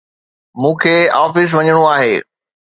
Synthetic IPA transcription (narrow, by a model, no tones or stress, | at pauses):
mũːkʰeːaːfɪs̬ʋɐɲəɽ̃oaːɦeː